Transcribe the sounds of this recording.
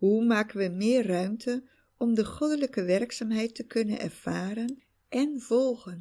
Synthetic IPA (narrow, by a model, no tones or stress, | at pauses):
ɦumaːkənʋəmɪːrrœɥmtʰə | ɔmdəχɔdələkəʋɛrksaːmɦɛjtəkɵnə̰nɛ̰ɹv̥aːɾən | ʔɛnvɔlˠχən